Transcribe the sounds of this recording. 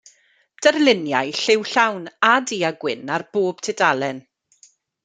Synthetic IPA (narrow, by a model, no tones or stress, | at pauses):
d̥ɛrlɪnjajɬɪwɬawnadiːaɡwɪnarb̥oːb̥tʰɪdalˠɛn